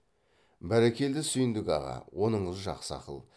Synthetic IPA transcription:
bæɾekʲe̞ld̪ɪsʏjɪnd̪ɪɡʲɑ̰ʁɑ̰wʔo̞nəɴəzʒɑ̰qsəɑ̰qə̰lˠ

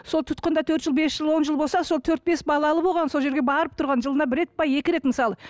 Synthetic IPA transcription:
so̞lˠt̪ʰʊ̥t̪̚qənd̪ɑt̪ʰɵɾt̪ʒəlˠbe̞sʒ̥əlˠwo̞nʒəlˠbo̞lˠsɑso̞lˠt̪ʰɵɾt̪̚be̞sbɑlˠɑlˠəbo̞lˠʁɑnso̞lˠʒe̞ɾɡʲe̞bɑɾəp̚t̪ʰʊɾʁɑnʒəlˠənɑbɪɾe̞t̪̚pʰɑje̞kʲɪɾe̞t̪məsɑlˠə

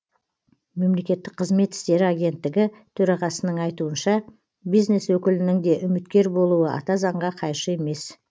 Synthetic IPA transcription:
me̞mle̞kʲe̞t̪ːɪk̚qʰəzme̞t̪ɪ̥st̪e̞ɾɪaɡʲe̞nt̪ːɪɡʲɪt̪ʰɵɾɑʁɑsənəɴɑjt̪uənʃɑ | bijzne̞swɵkʲɪlɪnɪŋd̪e̞ʔʏmɪt̪kʲe̞ɾbo̞lˠuəʔɑ̰t̪ɑzɑɴʁɑqʰɑjʃəe̞me̞s

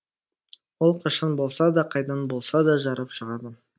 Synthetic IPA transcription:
wolˠqʰɑʃɑnbo̞lˠsɑd̪ɑqʰɑjd̪ɑnbo̞lˠsɑd̪ɑʒɑɾɑpʃəʁɑɾd̪ə

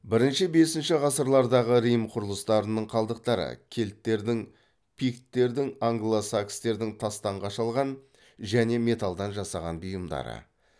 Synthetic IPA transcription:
bɪɾɪnʃɪbe̞sɪnʃɪʁɑsəɾlˠɑɾd̪ɑʁəɾijmqʰʊɾəlˠəst̪ɑɾənəɴqʰɑlˠd̪əq̚t̪ɑɾə̰kʲʰe̞lt̪ːe̞ɾd̪ɪŋ | pʰikt̪ːe̞ɾd̪ɪŋaŋɡlˠosakst̪e̞ɾd̪ɪŋt̪ʰɑst̪ɑɴʁɑʃɑlˠʁɑn | ʒæne̞me̞t̪alˠd̪ɑnʒɑsɑʁɑnbijəmd̪ɑ̰ɾə̰

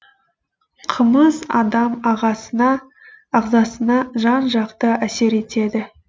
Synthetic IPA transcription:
qʰəməzɑ̰d̪ɑmɑʁɑɑː | ʁzɑsənɑʒɑnʒɑqt̪əæse̞ɾe̞t̪e̞d̪ɪ

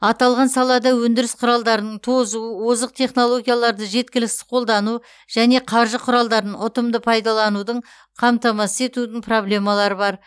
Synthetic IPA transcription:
ɑt̪ɑlˠʁɑnsɑlˠɑd̪ɑwɵnd̪ɪɾɪsqʰʊɾɑlˠd̪ɑɾənəɴt̪ʰo̞zuəwozəq̚t̪ʰe̞χno̞lˠo̞ɡʲijalˠɑɾd̪əʒe̞t̪̚kʲɪlɪksɪ̥qʰo̞lˠd̪ɑnu | ʒ̥æne̞qʰɑɾʒəqʰʊɾɑlˠd̪ɑɾənɴʔʊt̪əmd̪əpʰɑjd̪ɑlˠɑnud̪əɴ | qʰɑmt̪ɑmɑsəe̞t̪ud̪ɪɴpʰro̞blʲe̞mɑlˠɑɾəbɑɾ

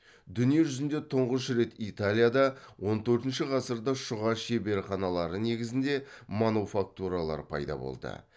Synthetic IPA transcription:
d̪ʏnije̞ʒʏzɪnd̪e̞t̪ʰʊɴʁəʃɾe̞t̪it̪alʲijad̪ɑwo̞nt̪ʰɵɾt̪ɪnʃɪʁɑsəɾd̪ɑʃʊʁɑʃebe̞ɾχɑnɑlˠɑɾəne̞ɡʲɪzɪnd̪e̞manufak̚t̪uɾalˠɑ̰ɾpʰɑ̰jd̪ɑ̰bo̞̰lˠd̪ə̰

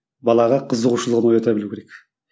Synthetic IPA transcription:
bɑlˠɑʁɑqʰəzəʁuʃəlˠəʁəno̞jɑt̪ɑbɪluwkʲʰe̞ɾek

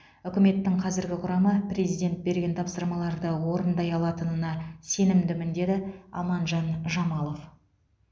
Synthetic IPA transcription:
ʏkʲɪme̞t̪ːɪŋqʰɑzɪɾɡʲɪqʰʊɾɑməprʲe̞zijd̪ʲe̞nt̪̚be̞ɾɡʲe̞nt̪ʰɑpsəɾmɑlˠɑɾd̪əwo̞ɾənd̪ɑjɑlˠɑt̪ənənɑse̞nɪmd̪ɪmɪnd̪e̞d̪ɪɑ̰mɑnʒɑnʒɑmɑlˠo̞f

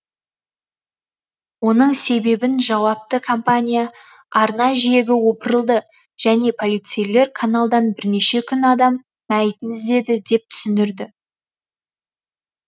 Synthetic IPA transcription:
wo̞nəɴse̞be̞bɪnʒɑwɑp̚t̪əkʰompanʲija | ɑɾnɑʒije̞ɡʲɪwo̞pəɾəlˠd̪ə | ʒ̥æne̞pʰo̞lʲijt̪sejle̞ɾkʰanalˠd̪ɑnbɪɾneʃe̞kʲʰʏnɑd̪ɑmː | æjt̪ɪnɪzd̪e̞d̪ɪd̪e̞p̚t̪ʰʏ̥sɪnd̪ɪɾd̪ɪ

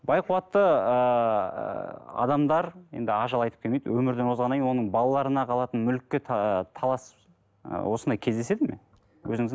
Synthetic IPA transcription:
bɑjquwɑt̪ːəə | ɑ̰d̪ɑmd̪ɑɾjend̪ɪɑʒɑlˠɑjt̪ə̥p̚kʰʲelmejd̪ɪ̰wʔɵmɪɾd̪enwo̞zʁɑnɑjnwo̞nəɴbɑlˠɑlˠɑɾənɑqʰɑlˠɑt̪ənmʏlkʲːet̪ʰt̪ʰɑlˠɑs | wo̞sənɑjkʲʰe̞zd̪ese̞d̪ɪme̞̰ | wɵ̰zɪŋɪz

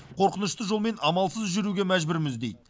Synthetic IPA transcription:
qʰo̞ɾqənəʃt̪əʒo̞lˠme̞nɑmɑlˠsəzʒʏɾuɡʲe̞mæʒbɪɾmɪzd̪e̞jd̪ɪ

